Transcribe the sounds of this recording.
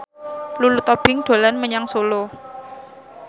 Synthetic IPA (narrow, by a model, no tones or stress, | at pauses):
lulut̪ɔb̥ɪ̤ŋɖ̪̥o̤lanməɲaŋsolo